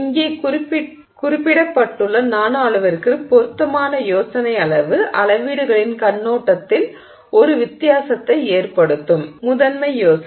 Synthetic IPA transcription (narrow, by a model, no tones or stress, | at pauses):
ŋɡeː | kʊɾɪpːɪɽɐpːɐʈːɯɭːɐnaːnaːɭɯʋɐɾkɯpɔɾɯt̪ːɐmaːnɐjoːsɐnɐɪɐɭɐʋɯʔɐlɐʋiːɽɯɣɐɭɪnkɐnːoːʈːɐt̪ːɪl | ʔɔɾɯʋɪt̪ːɪjaːsɐt̪ːɐɪeːrpɐɽɯt̪ːɯmːʊðɐnmɐɪjoːs